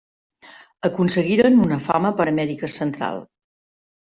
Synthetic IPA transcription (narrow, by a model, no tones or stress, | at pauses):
əkunsəɣiɾənunəfaməpəɾəmɛɾikəsənt̪ɾa̰lˠ